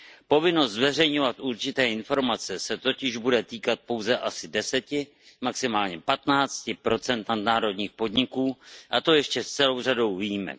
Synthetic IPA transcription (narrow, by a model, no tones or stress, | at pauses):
po̞vɪno̞st̪zvɛrɛjɲo̞vat̪ʔuɾt͡ʃɪt̪ɛːʔɪnfo̞ɾmat͡sɛsɛt̪o̞cɪʒbudɛt̪iːkat̪̚po̞wzɛʔasɪdɛsɛcɪ | maksɪmaːlɲɛpat̪naːt͡scɪpɾo̞t͡sɛnt̪nadnaːɾo̞dɲiːxpo̞dɲɪkuːʔat̪o̞jɛʃcɛst͡sɛlo̞wr̝ado̞wviːjɪmɛ̰k